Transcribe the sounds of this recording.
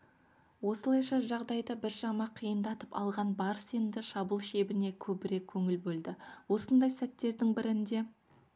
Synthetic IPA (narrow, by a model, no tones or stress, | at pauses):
wo̞səlˠɑjʃɑʒɑʁd̪ɑjd̪ɑbɪɾʒɑmɑqʰijənd̪ɑt̪əpɑ̰lˠʁɑnbɑɾsemd̪ɪʃɑbəlˠʃe̞bɪne̞kʲʰɵbɪɾe̞kʲʰːɵŋɪlbɵld̪ɪwo̞sənd̪ɑjsæt̪ːe̞ɾd̪ɪŋbɪɾɪnd̪e̞